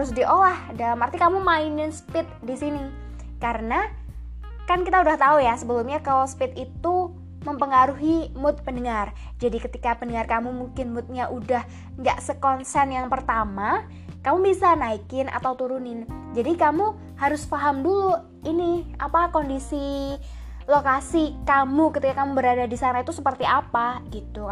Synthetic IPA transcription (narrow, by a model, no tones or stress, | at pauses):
ʊsdiʔolahdalamart̪ikamumaɪnɪnsə̥pɪt̪̚disini | kaɾəna | kankit̪audaht̪aujasəbəlumɲakalaspɪt̪it̪u | məmpəŋaɾuɦimʊt̪̚pənəŋar | d͡ʒadikət̪ikapənəŋarkamumuŋkɪnmʊt̪̚ɲaʔudah | ŋɡa̰ʔsəkɔnsɛnjaŋpərt̪ama | kamubisanaikɪna̰t̪awt̪uɾunɪnd͡ʒadikamu | haɾʊsfaɦamdulu | iniʔa̰pakondisi | lokasikamukət̪ikakamubəɾadadisanait̪usəpərt̪iʔapaɡit̪u